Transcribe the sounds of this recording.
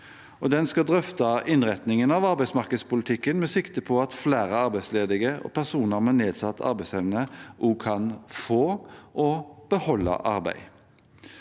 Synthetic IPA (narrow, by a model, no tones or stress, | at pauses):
ɔd̪ɛnskɑd̪ʁœft̪ɑʔɪnʁɛt̪nɪŋənɑʋɑʁbæɪsmɑʁkəd̪spʊlɪt̪ʰɪkːənmɛsɪkt̪əpʰɔɑt̪flæːɾəɑɾbæɪsleːd̪ɪɡəɔ̰pʰæʁsuːnəʁmɛneːd̪sɑt̪ʰːɑ̰ʁbæɪsɛʋnəʔuːkʰɑnfoːʔɔb̥əhɔlːɑ̰ʔɑʁbæ̰ɪ